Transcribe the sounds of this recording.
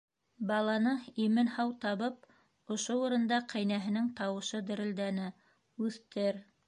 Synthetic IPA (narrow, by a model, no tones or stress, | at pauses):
bɑlˠɑnɤimɘnhɑwt̪ɑβɤp̚ | ŏʃouɾɤ̆nd̪ɑqʰæjnæɦɘ̆nɘŋt̪ɑwɤ̆ʃɤd̪ɘ̆ɾɘ̆ld̪ænɘ | ʉθt̪ɘɾ